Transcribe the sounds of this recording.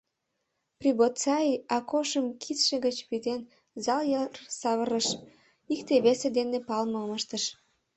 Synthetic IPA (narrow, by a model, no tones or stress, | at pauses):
pribot̪t͡sɑiɑkoʃəmkʰit̪ʃĕɣət͡ɕβyd̪en | zɑljərsɑβəɾəʃ | ikt̪eβesed̪enepɑlməməʃt̪əʃ